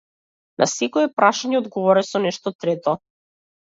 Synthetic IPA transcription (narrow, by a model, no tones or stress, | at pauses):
nʔa̰sɛkɔɛpɾaʃaɲɛɔd̪ɡɔvɔɾɛsɔnɛʃt̪ɔt̪ɾɛt̪ɔ